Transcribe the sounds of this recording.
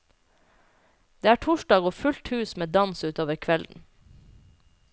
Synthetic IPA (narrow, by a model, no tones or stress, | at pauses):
d̪̥eːæːʈʰɔʃdɑːɡoːfʉlt̪hʉːsmeːd̪ɑnsʉːt̪oːʋəɾkʰʋɛln̩